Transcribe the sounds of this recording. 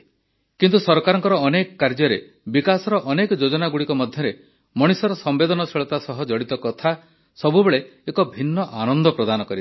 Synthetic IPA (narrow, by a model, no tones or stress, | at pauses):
kint̪usɔɾkaɾɔŋkɔɾɔːnekɔkaɾd͡ʒɔɾe | bikasɔɾɔʔɔnekɔd͡ʒod͡ʒɔnaɡuɽikɔmɔd̪ʱjɔɾe | mɔɽ̃isɔɾɔsɔmbed̪ɔnɔseɭɔt̪asɔɦɔd͡ʒɔɽit̪ɔkɔt̪ʰa | sɔbubeɭeekɔbʱinːɔʔanɔnd̪ɔpɾɔd̪anɔkɔɾit̪